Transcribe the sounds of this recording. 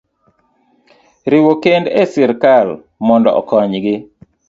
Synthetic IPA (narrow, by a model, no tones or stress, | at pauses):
ɾɪwokendɛsɪɾkal | mɔndɔ̰ʔɔ̰kɔɲɡɪ